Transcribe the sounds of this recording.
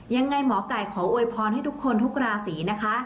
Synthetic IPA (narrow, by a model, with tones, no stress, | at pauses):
ja˧ŋːa˧jmɔː˩˦ka˨˩jkʰɔː˩˦wʔu˧jpʰɔː˧ntʰaː˥˩t̪ʰkʰːo˧nt̪ʰu˦˥k̚ɾaː˧siː˩˦na˦˥kʰa˦˥